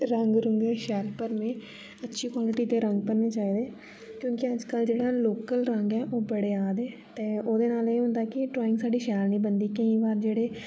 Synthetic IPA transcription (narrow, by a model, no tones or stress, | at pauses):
ɾəŋɡɾəŋɡeʃɛːlpəɾmẽː | ətːʃʰiːkwaːlɪʈiːt̪eːɾə̃ŋɡpənːeːt͡ʃaːiːd̪eː | kjõːkɪəd͡ʒkəld͡ʒeːɽaːloːkəlɾəŋɡɛːʔoːbəɽeːaːd̪ɛːt̪eːoːd̪eːnaːleːɦʊ̃nd̪aːkɪʈɾɔːɪ̃ŋɡsaːɖiːʃɛːɾnĩːbənd̪iːkəĩːʋaːɾd͡ʒeːɽeː